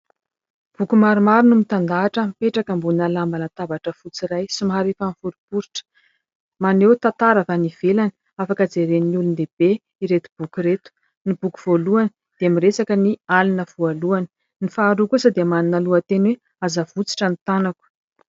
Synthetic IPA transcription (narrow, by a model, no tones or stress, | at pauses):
b̥ukumaɾumaɾinumit̪and̪aːʈ͡ʂəmpeʈ͡ʂakambunalambanat̪avaʈ͡ʂəfut͡siɾajsimɦaɾefanfuɾipuɾiʈ͡ʂə̥ | manewt̪at̪aɾavaniv̥elani̥ | afakəd͡zeɾeniiulund̪eb̥e | iɾet̪ub̥ukuɾet̪u̥ | nib̥uku̥v̥oluani̥ | d̪̥eamiresakənialinəv̥ualuani̥ | nifaːɾukusad̪eəmaninaluət̪enwe | azavut͡si̥ʈ͡ʂanit̪anaku̥